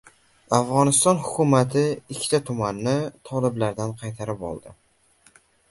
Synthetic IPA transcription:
afʁɒnɪst̪ɒnhʊkʲʰʊmat̪ʰɪɪkʲʰːɪ̥t̪ʰat̪ʰʊmanːɪt̪ʰɒlɪblaɾd̪anqʰɑjt̪ʰaɾɪpɒ̰lˠd̪ɪ

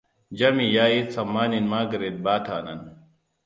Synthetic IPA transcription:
d͡ʒɐmijaːit̪sɐmːaːninmaːɡɐɾed̪̚baːt̪ʰa̰ːnɐ̰n

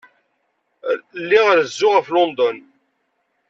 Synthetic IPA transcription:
lːiʁəɾəzːʊʁəflond̪ɔn

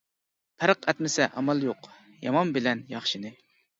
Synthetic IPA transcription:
p̪ʰæɾqʰɛt̪mɪsɛʔɑmɑlˠjoq | jɑmɑmbɪlɛnjɑχʃinɨ

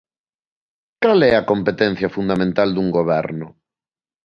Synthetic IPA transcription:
kalɛɐkompet̪ɛn̟θjɐfund̪amẽnt̪ald̪uŋɡoβɛɾnʊ

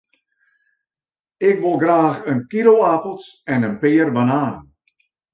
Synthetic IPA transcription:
ɪkʋolˠɡraːxənkiɾoapəlˠsɛnənpɪːərbanaːnən

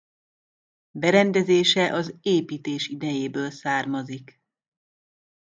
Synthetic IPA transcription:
bɛɾɛnd̪ɛzeːʃɛʔɒzeːpiːt̪eːʃid̪ɛjeːbøːlsaːrmɒzik

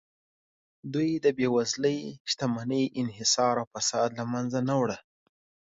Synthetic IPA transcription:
d̪ujd̪əbewazləjʃt̪amanəjʔɪnɦɪsɑɾawfasɑd̪lamanzanawɽə

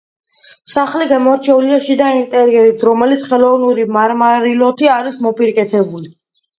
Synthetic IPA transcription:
saχliɡamɔɾt͡ʃʰɛuliaʃid̪aint̪ʼɛɾiɛɾit̪ʰɾɔmɛlit̪sʰχɛlˠɔvnuɾimaɾmaɾilɔt̪ʰiaɾismɔpʼiɾkʼɛt̪ʰɛbuli

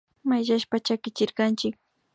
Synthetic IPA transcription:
majʃaʃpat͡ʃakɪt͡ʃɪɾkant͡ʃɪk̚

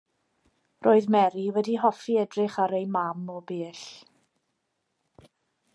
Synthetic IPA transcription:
rʔoːɨðmɛɾiwɛdiɦɔfiɛdrɪχaɾejmamɔbeːɬ

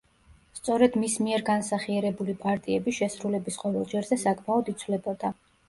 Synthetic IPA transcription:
st̪sʼɔɾɛd̪̥mismiɛɾɡansaχiɛɾɛbulipʼaɾt̪ʼiɛbisʃɛsɾulɛbisqʼɔvɛlˠd͡ʒɛɾzɛsakʼmaɔd̪it̪sʰvlɛbɔd̪̥a

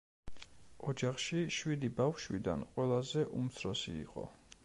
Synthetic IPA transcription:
ɔd͡ʒaχʃiʃwid̪ibafʃwḭd̪a̰nqʼwɛlˠazɛʔumt̪sʰɾɔsḭːqʼɔ̰

